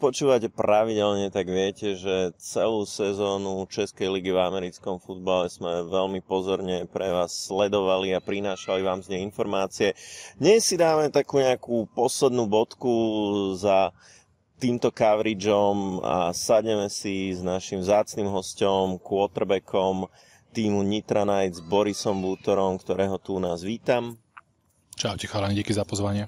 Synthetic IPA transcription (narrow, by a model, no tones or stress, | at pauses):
pɔt͡ʃuːʋacɛpɾaʋiɟɛlɲɛt̪aɡʋɪɛcɛʒɛt͡sɛluːsɛzɔːnut͡ʃɛskɛjliɡivamɛɾit͡skɔmfud̪̚balɛz̥mɛʋɛlmipɔzɔɾɲɛpɾɛʋaːsːlɛd̪ɔʋaliapɾinaːʃaliʋaːmzɲɛinfɔɾmaːt͡siɛd̪ɲɛsːid̪aːmɛt̪akuːɲɛakuːpɔslɛd̪nuːbɔt̪kuza | t̪iːmt̪ɔkaʋɾid͡ʒɔma̰saɟɲɛmɛsiznaʃimvzaːt͡snimɦɔscɔmkʊɔt̪ɾbɛkʰɔm | t̪iːmuɲit̪ɾanaj̪zbɔɾisɔmbuːt̪ɔɾɔmkt̪ɔɾɛːɦɔt̪unaːzʋiːt̪am | t͡ʃaʊcɛxalaɲiɟakizapɔzʋaɲɪɛ